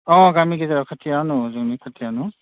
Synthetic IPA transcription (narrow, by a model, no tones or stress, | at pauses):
ɔ̃ɡamiɡizaɹɔkʰatʰijanʊzɔŋnikʰatʰianʊ